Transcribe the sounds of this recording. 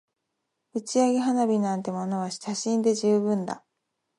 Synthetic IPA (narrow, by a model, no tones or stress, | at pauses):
ɯ̟t͡ɕiaɡʲiɦanabʲinãnt̪e̞mono̞βaɕtaɕĩnd̪e̞ʑɨːbɯ̟̃nd̪a̰